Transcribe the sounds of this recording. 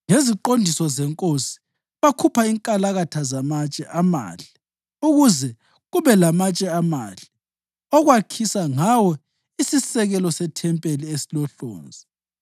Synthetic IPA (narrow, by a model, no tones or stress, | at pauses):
ŋeziǃondʱisɔzɛŋkʼosi̥ | βakʰupʰaiŋkʼalaɣatʰazamat͡ʃʼɛʔama̰ːɬi | uɣuzɛ | ɣuβɛlamat͡ʃʼɛama̰ɬi̥ | ɔɣwakʰisaŋawɔ | isisɛɣɛlɔsɛtʰɛmpʼeliesilɔɬo̰ːnd͡zʱi